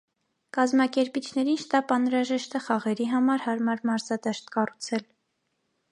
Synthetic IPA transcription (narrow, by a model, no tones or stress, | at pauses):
kɑzmɑkɛɾpit͡ʃʰn̪ɛɾinʃt̪ɑpɑnɾɑʒɛʃt̪ɛχɑʁɛɾiɦɑmɑɾhɑɾmɑɾmɑɾzɑd̪ɛʃt̪kɑrut͡sʰɛl